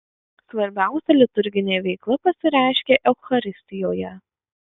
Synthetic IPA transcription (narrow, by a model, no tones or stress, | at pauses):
sʋɐɾʲbʲæˑʊsʲɛlʲɪt̪ʊɾʲɡʲɪnʲeːʋʲɛɪklˠɐpɐsʲɪɾʲæˑɪʃʲkʲeːʔɛʊxɐɾʲɪsʲt̪ʲɪjoːjɛ